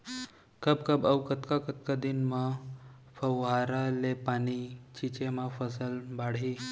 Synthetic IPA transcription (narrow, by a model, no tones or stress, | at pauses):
kəbkəbəwkət̪kakət̪kad̪inmə | fəwɦaɾalepañit͡ɕit͡ɕemafəsəlbaɽɦi